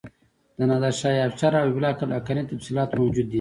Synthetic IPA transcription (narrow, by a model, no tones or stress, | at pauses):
d̪̥ənad̪aʃɑjaft͡ʃɑɾawiblɑkalakanit̪afsilɑːt̪mawd͡ʒud̪ːi